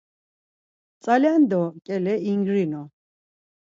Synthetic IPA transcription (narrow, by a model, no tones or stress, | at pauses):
t͡sʼaland̪ɔkʼɛlɛiŋɡɾinɔ